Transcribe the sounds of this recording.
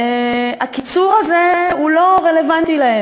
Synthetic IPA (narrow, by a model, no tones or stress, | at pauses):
akit͡suʁazeulo̞ʁele̞vant̪ilaem